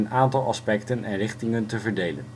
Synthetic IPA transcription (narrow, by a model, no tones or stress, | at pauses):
ənaːntɑlˠɑ̰spɛktənɛnrɪχtɪŋəntəvəɹdejlə̰n